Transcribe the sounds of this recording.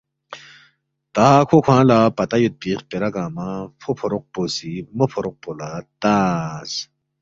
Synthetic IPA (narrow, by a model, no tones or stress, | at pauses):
t̪aːkʰokʰãːlapɐt̪ɐjut̪̚piːχpeɾɐɡaːmãfʰopʰoɾuq̚poːsimɐpʰoɾoq̚polat̪as